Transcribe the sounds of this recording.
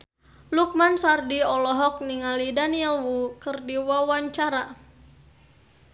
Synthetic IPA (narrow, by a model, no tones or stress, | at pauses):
luk̚mansardiɔlɔɦɔk̚niŋalidaniɛlwukɨrdiwawaɲt͡ʃaɾa